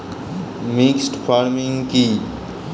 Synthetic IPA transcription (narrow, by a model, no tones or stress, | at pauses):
mɪksʈpʰaːɾmɪ̃ŋɡki